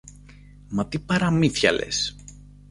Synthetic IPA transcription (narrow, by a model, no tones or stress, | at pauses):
mɐt̪ipɐɾɐmiθçɐ̰lḛs